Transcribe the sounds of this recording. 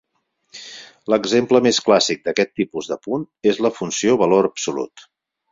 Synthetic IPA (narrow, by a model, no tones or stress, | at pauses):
ləɡzempləmesklasik̚d̪əkɛt̪ːipuzðəpun | ezləfunsioβəloɾəpsulṵt̪